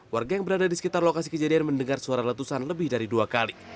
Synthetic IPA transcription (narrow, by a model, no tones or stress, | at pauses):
warɡajaŋbəɾadadisə̥kit̪arlokasikəd͡ʒadianməndəŋarsuaɾalat̪usanləbɪhdaɾiduakali